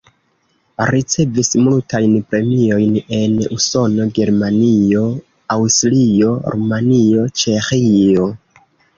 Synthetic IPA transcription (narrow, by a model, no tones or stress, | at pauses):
ɾit͡se̞vismultajnpɾe̞mio̞jne̞nuso̞no̞ɡe̞ɾmanio̞ | awstlio̞ɾʔumanio̞t͡ʃe̞xio̞